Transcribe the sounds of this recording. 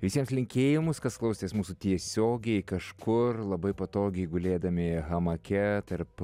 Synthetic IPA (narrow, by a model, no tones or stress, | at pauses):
ʋʲɪsʲiɛmslʲɪŋʲkʲeːjɪmʊskɐsklˠɐʊsʲt̪ʲeːsmuːsʊt̪ʲiɛsʲoːɡʲɛɪkɐʃkʊrlˠɐbɐɪpɐt̪oːɡʲɛɪɡʊlʲeːd̪ɐmʲɪɣɐmɐkʲɛt̪ɐɾp